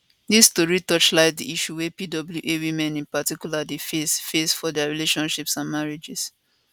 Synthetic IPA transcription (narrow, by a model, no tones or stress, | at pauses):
distɔɹitɔt͡ʃlaɪt̚diiʃuwepidɔbl̩juʔewimɛ̃nĩnpatikjuladefesfesfɔdɛaɹileʃɔ̃nʃipsãnmaɹed͡ʒis